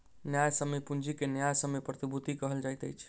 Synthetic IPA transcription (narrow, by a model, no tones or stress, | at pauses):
njajsəmepund͡ʒikenjajsəmːepɾət̪ibʱut̪ikəɦəld͡ʒajt̪əjt͡ʃʰ